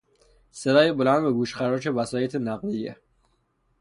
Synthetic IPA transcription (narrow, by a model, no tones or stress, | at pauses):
se̞d̪ɒːjebolænd̪beɡuːʃχæɾɒːt͡ʃʰevæsɒːjet̪ʰenæɣlijḛ